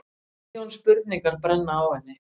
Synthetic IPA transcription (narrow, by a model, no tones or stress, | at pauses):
ɔnspʏɾt̪niŋkaɾ̥pɾɛnːaawhɛnːɪ